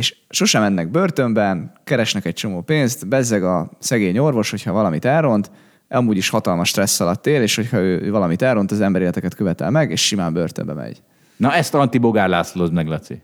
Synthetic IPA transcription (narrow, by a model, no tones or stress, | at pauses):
eːʃʃo̞ʃɛmɛnːɛɡ̚børt̪ø̞mbɛnkɛɾɛʃnɛkɛc̚t͡ʃo̞moːpeːnst̪bɛzːɛɡɒsɛɡeːɲo̞rvo̞ʃho̞chɒvɒlɒmit̪ɛrro̞nt̪ | ʔɒmuːɟiʃhɒt̪ɒlmɒʃt̪rɛsːɒlɒt̪ːeːleːʃhochɒøːøːvɒlɒmit̪ɛro̞nt̪ɒzɛmbɛɾeːlɛt̪ɛkɛt̪̚køvɛt̪ɛ̰lmɛɡeːʃʃimaːmbø̰rt̪ø̰mbɛ̰mɛ̰ɟ̥ | nɒɛst̪ɒnt̪iboɡaːrlaːsolozmɛɡlɛt̪sḭ